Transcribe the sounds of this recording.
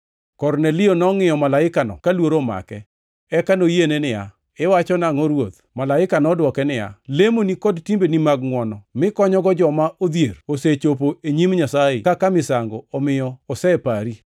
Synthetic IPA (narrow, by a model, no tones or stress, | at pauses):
kɔrnelɪonɔŋɪjɔmalaɪkanɔ̰kalwoɾoma̰kɛ | ɛkanojenenɪja̰ | ɪwat͡ʃɔnaŋɔɾwot̪̚ | malaɪkanɔdwɔkɛnɪja̰lemonikɔdtimbenimaɡŋwɔnɔmɪkɔɲɔɡɔd͡ʒɔmaʔod̪jeroset͡ʃopoeɲimɲasaɪ̰kakamɪsaŋɡɔɔmɪjɔːsɛpaɾi